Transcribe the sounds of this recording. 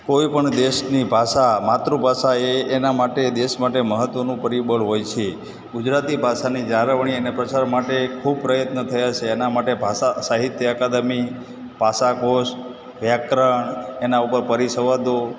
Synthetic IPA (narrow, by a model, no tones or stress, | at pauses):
koipəɳd̪eʃnibʱaʃamat̪ɾubʱaʃaeːnamaʈed̪eʃmaʈeməɦət̪ʋənũpəɾibəɭɦojt͡ʃʰe | ɡʊd͡ʒɾat̪ibʱaʃanid͡ʒaɾəʋɳ̃iənepɾət͡ʃaɾmaʈekʰub̚pɾəjət̪nət̪ʰəjat͡ʃʰeːnamaʈebʱasasaɦit̪jəəkad̪əmi | bʱasakoʃ | ʋjakɾəɳenaupəɾpəɾiʃəʋad̪o